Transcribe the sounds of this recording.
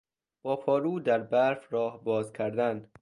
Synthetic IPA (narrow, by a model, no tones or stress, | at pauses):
b̥ɒːpʰɒːɾuːd̪æɾbæɾfɾɒːhbɒːzkʲʰæɾd̪æn